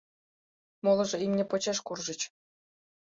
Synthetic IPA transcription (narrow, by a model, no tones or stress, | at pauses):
molˠɤ̆ʐɤ̆imʲnʲĕpŏt͡ɕeʂkurʐɤ̆t͡ɕ